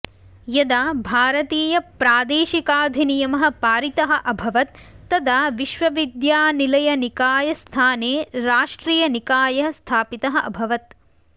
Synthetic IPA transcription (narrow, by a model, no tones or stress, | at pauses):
jɐd̪aːbʱaːɾɐt̪iːjɐpɾaːd̪eːʃikaːd̪ʱinijɐmɐɦɐ̆paːɾit̪ɐɦɐ̆ʔɐbʱɐʋɐt̪ːɐd̪aːʋiʃʋɐʋid̪jaːnilɐjɐnikaːjɐst̪ʰaːneːɾaːʂʈɾiːjɐnikaːjɐɦɐ̆st̪ʰaːpit̪ɐɦɐ̆ʔɐbʱɐʋɐt̪